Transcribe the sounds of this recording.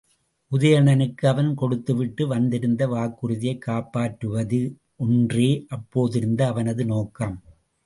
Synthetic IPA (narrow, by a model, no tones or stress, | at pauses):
ʔʊðɐjɐɳɐnɯkːɯɐʋɐnkɔɽɯt̪ːɯʋɪʈːɯʋɐnd̪ɪɾɯnd̪ɐʋaːkːɯɾɯðɪjɐɪkːaːpːaːʈɾɯʋɐðɯ | ʔɔndreːʔɐpːoːðɪɾɯnd̪ɐːʋɐnɐðɯnoːkːaːm